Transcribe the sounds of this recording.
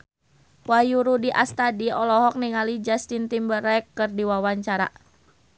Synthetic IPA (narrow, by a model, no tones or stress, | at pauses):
wajuɾudiʔast̪adiɔlɔɦɔk̚niŋalid͡ʒast̪int̪imbəɾɛkːɨrdiwawaɲt͡ʃaɾa̰